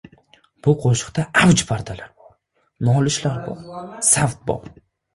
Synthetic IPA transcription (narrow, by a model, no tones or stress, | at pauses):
b̥ʊqʰoʃɪ̥qt̪aawd͡ʒpʰaɾd̪alaɾbɒɾ | nɒlɪʃlaɾbɒ̰ɾsaft̪̚bɒ̰ɾ